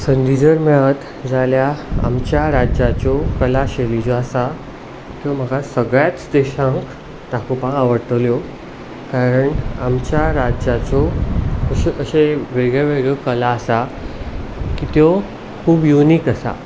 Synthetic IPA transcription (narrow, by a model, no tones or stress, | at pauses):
sənd̪id͡ʑəɾmɛɭət̪ | d͡zaljaa̰mt͡ɕjaɾad͡ʑjat͡ɕɔkəlaɕelid͡ʑoasa | t̪jɔm̤əɡasəɡɭjat͡sd̪eɕãŋk | t̪akopãaʋəɾt̪ljo | kaɾəɳamt͡ɕjaɾad͡ʑat͡sɔəɕəɕeʋeɡɭeʋeɡɭjɔkəlaːsa | kit̪jɔ | kʰuːbjunikəsa̰